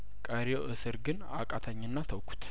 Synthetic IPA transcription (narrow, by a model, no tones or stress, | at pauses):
kʼəɾijoʔɨsɨɾɡɨn | a̰kʼat̪ʰəɲːɨnːat̪ʰəwkʷʰu̥t̪